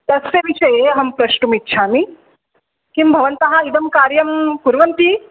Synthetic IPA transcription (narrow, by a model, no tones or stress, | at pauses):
d̪ɐsjɐʋiʃɐjeɐɦɐmpɾɐʃʈumitːʃʰaːmi | kimbʱɐʋɐnt̪ɐɦɐid̪ɐmkaːɾjɐmkuɾʋɐnt̪i